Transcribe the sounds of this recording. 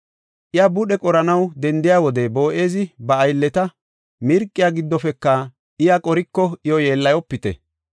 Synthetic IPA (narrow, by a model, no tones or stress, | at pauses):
ʔɪjabʊɗɛkʼɔɾɐnɐwd̪ɛnd̪ɪjaːwɔd̪ɛbo̞ːʔe̞ːzɪbɐːjlːɛt̪ɐ | mɪɾkʼːɪjaːɡɪd̪ːɔfɛkːɐ | ɪjakʼɔɾɪkːɔʔɪjɔje̞ːlːɐjɔpːɪt̪ɛ̰